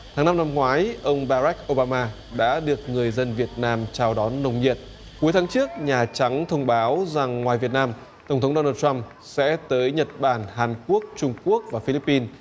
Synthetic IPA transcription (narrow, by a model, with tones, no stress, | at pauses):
t̪ʰaː˨˦ŋna˧mna˧mŋwaː˨˦jʔə˧wŋ͡mɓaː˧ɾa˦˥k̚ʔo˧ɓaː˧maː˧ | ɗa̰ː˧˥ɗɨ˨˩ək̚ŋɨ˨˩əjzə˧nvi˨˩ət̚naː˧mt͡ɕaː˧wɗɔ˨˦nːə˧wŋ͡mɲi˨˩ət̚ | ku˨˦jt̪ʰaː˨˦ŋt͡ɕɨ˦˥ək̚ɲaː˨˩t͡ɕa˨˦ŋt̪ʰə˧wŋ͡mɓaː˨˦wza˨˩ŋːwaː˨˩jvi˨˩ət̚naː˧m | t̪ə˧˩ŋ͡mt̪ʰŋ͡mɗo˧naː˧˩tt͡ɕa˧m | sɛ̰˧˥t̪əː˨˦jɲə˨˩t̚ɓaː˧˩nɦaː˨˩nku˦˥ək̚t͡ɕʊ˧ŋ͡mku˦˥ək̚vaː˨˩fi˧li˦˥pːi˧n